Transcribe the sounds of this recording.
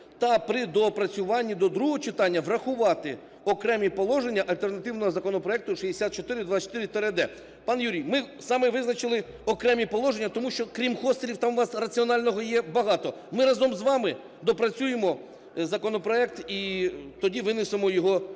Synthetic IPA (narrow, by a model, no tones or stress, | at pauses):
t̪ɐpɾɪd̪ɔpɾɐt͡sʲʊʋɑnʲːid̪ɔd̪ɾuɦɔt͡ʃɪt̪ɑnʲːɐʋrɐxʊʋɑt̪ɪ | ɔkɾɛmʲipɔlˠɔʒenʲːɐʔɐlʲt̪ernɐt̪ɪwnɔɦɔzɐkɔnɔpɾɔɛk̚t̪ʊʃid̪esʲat̪̚t͡ʃɔt̪ɪɾɪd̪ʋaɐt͡ʃt̪ɪɾɪt̪ɛɾɛd̪ɛ | pɑnjuɾʲijmɪsɑmɪʋɪznɐt͡ʃɪlˠɪ | ɔkɾɛmʲipɔlˠɔʒenʲːɐt̪ɔmuʃt͡ʃɔkɾʲimxɔst̪eɾʲiwt̪ɑmʋɑsrɐt͡sʲiɔnɑlʲnɔɦɔjɛbɐɦɑt̪ɔ | mɪɾɑzɔmzʋɑmɪ | d̪ɔpɾɐt͡sʲujemɔ | zɐkɔnɔpɾɔɛk̚t̪it̪ɔdʲiʋɪnɪsemɔjɔɦɔ